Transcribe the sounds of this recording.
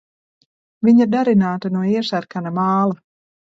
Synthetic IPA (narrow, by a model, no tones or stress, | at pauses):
viɲad̪aɾinaːt̪anuɔiɛʃæɾkanamɑːlˠa